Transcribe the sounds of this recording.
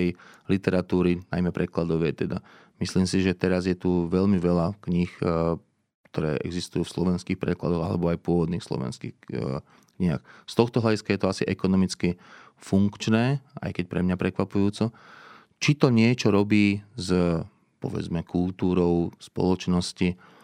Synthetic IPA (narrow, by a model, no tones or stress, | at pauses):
ɛjlit̪ɛɾat̪uːɾina̰jmɛpɾɛklad̪ɔʋɛt̪ɛd̪a | misliːmsiʒɛt̪ɛɾazjɛt̪uʋɛʎmiʋɛlakɲix | kt̪ʰɔɾɛ̰ːʔɛ̰ɡzist̪ujuːfslɔʋɛnskiːxpɾɛklad̪ɔɣa̰lɛ̰bɔajpʊɔʋɔd̪niːxslɔ̰ʋɛ̰nskḭːx | kɲiɦa̰xst̪ɔxt̪ɔɦlaɟiskajɛt̪ɔasiʔɛkɔnɔmit͡ski | fuŋkt͡ʃnɛːʔa̰jkɛc̚pɾɛmɲapɾɛkʋapujuːt͡sɔ | t͡ʃit̪ɔɲɪɛt͡ʃɔɾɔbiːz | pɔ̰ʋɛ̰d͡zmɛkult̪uːɾɔʊspɔ̰lɔt͡ʃnɔsci